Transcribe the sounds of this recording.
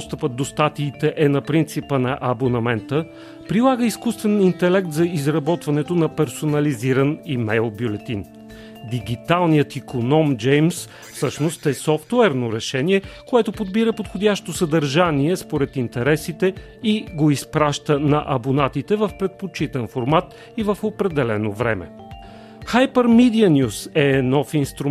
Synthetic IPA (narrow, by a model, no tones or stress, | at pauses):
ɔst̪əpət̪̚d̪ost̪at̪iːt̪ɛʔɛnɐpɾint̪sipənɐʔɐbonɐmɛnt̪ə | pɾilˠaɡəiskust̪vɛnint̪ɛlɛk̚t̪zɐizɾɐbɔt̪vɐnɛt̪onɐpɛɾsonɐliziɾənimɛjlˠbʲjulɛt̪in | d̪iɡʲit̪alˠnijət̪ikonɔmd͡ʒɛjms | fsɤʃnost̪ɛsɔft̪wɛɾnoɾɛʃɛniɛkoɛt̪opod̪biɾəpot̪xod̪ʲaʃt̪osəd̪əɾʒaniɛspoɾɛt̪int̪ɛɾɛsit̪ɛ | iɡoispɾaʃt̪ənɐʔɐbonat̪it̪ɛvɐfpɾɛt̪̚pot͡ʃit̪ɛnfoɾmat̪ | ivəfopɾɛd̪ɛlɛnovɾɛ̰mɛ̰ | xajpəɾmid̪iənʲjusɛnɔfinst̪ɾu